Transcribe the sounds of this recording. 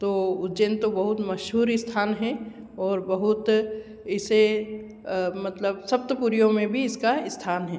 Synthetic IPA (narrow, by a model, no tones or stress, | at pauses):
t̪oːʊd͡ʒent̪obɐɦʊt̪mɐʃɦuːɾɪst̪ʰaːnɦɛ | ɔːɾbəɦʊt̪ | ɪse | mɐt̪ləbsɐp̚t̪əpuɾijõmẽbʱiɪskaɪst̪ʰaːnɦɛː